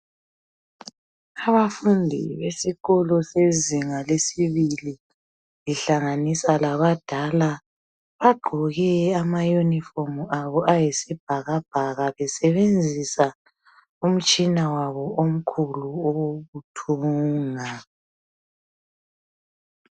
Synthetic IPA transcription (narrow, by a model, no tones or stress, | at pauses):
aβafundʱḭβesiɣɔlɔseziŋalesiβili | liɬaŋanisalaβad̥ʱala | βaɡ͡ǃʱɔɣɛamajunifɔmuʔaβɔʔajisib̥ʱaɣab̥ʱaɣaβɛsɛβend͡zʱisa | um̩t͡ʃʼinawaβɔom̩kʰuluoɣutʰuːŋa